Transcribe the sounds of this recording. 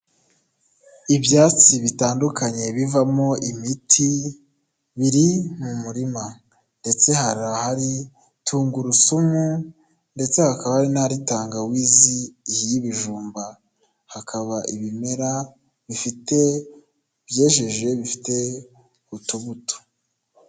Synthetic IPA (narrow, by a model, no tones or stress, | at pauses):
ibjaːt͡siβitaːndukaɲe̞βivamo̞ʔimitʰi | βiɾimumuɾima | nde̞t͡se̞haɾahaɾi | tʰuːŋɡuɾusumu | nde̞t͡se̞hakaβahaɾinaɾitaːŋɡawiːzihjiβiʒuːmba | hakʰaβaʔiβime̞ɾa | βifite̞ | bje̞ːʒe̞ʒe̞βifi̥te̞ | utuβuto̥